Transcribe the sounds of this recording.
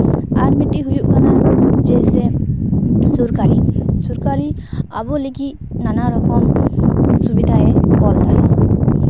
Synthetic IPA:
aɾmiʈiɦujuʔkʰanad͡ʒese | suɾkaɾisuɾkaɾi | abɔliki | nanaɾɔkɔm | subid̪ʱaɛkɔld̪aj

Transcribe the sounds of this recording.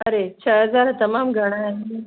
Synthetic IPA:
ɐɾet͡ʃʰɐɦɐzaːɾat̪ɐmaːmɡʱɐɽ̃ae

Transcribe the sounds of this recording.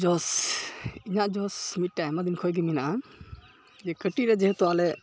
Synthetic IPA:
d͡ʒɔs | iɲaʔd͡ʒɔsmit̪̚ʈajmad̪inkʰɔjɡɛminaʔa | d͡ʒɛkəʈiɾɛd͡ʒɛɦɛt̪ɔalɛ

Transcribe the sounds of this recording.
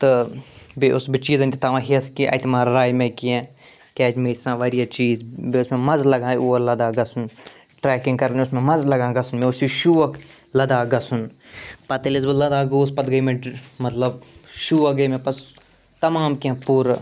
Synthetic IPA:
t̪ɨbeʔʊsbit͡ʃiːzɐ̃nʲd̪it̪aʋãɦiɐskiʔɐ̰t̪imaːɾɾaːjmẽkiẽː | kɛːd͡ʒmeːsãːʋɐɾijat͡ʃiːzbeʊsmẽmɐzlɐɡãːiuːlɐd̪aːɡɐsun | ʈɾɛːkĩŋɡkɐɾlʊsmẽmɐzlɐɡãːɡɐsunmẽʊsiʃuːʋɐk | lɐd̪aːɡɐsunpɐt̪ɐlisbilɐd̪aːɡoːspɐt̪ɡɐimẽmɐt̪lɐbʃuːɐɡɐmẽpɐs | t̪ɐmaːmkiẽpuːɾ

